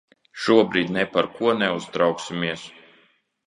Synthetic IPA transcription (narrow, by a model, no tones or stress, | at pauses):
ʃuɔbɾiːd̪ʲnɛpaɾkuɔnɛuztd̪ɾawksʲimiɛs